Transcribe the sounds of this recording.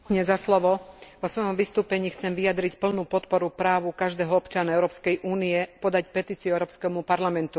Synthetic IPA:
ɲɛzaslɔʋɔʋɔsʋɔjɔmʋist̪uːpɛɲiːxt͡sɛmʋijad̪ɾicpl̩nuːpɔt̪pɔɾupɾaːʋukaʒd̪ɛːɦɔɔpt͡ʃanaɛʊɾɔːpskɛjʔuːniɛpɔd̪acpɛt̪iːt͡siuɛʊɾɔːpskɛmupaɾlamɛnt̪u

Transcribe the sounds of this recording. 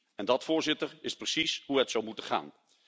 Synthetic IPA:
ɛndɑtfʊːɹzɪtəɹɪsprəsisɦuətsɔwmutəχa̰ːn

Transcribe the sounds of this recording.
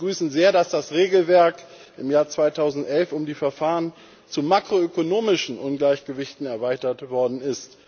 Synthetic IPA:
ɡʁyːsn̩zeːɐdasd̥asʁeːɡl̩vɛɐkʔɪmjaːɐt͡sv̥aɪtʰaʊzn̩tʔɛlfʊmdiːfɛɐfaːʁən | t͡sumakʁ̥oøkonoːmɪʃn̩ʔʊnɡlaɪçɡ̥əvɪçtn̩ɛɐvaɪtɐtv̥ɔɐdn̩ɪst

